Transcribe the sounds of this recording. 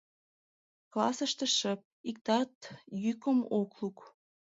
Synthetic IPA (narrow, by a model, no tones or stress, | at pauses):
klɑsəʃt̪ə̆ʃəp̚ik̚t̪ɑt̪jykəmokluk